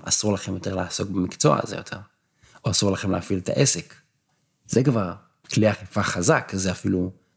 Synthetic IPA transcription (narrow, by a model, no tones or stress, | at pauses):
a̰suʁlaχemjo̞t̪e̞ʁleaso̞kbemikt͡so̞a̰zejotʰe̞ʁ | oasuʁlaχe̞mleafilet̪a̰ʔesek | z̥ekvaʁ | kliaχifaχazakzeafilu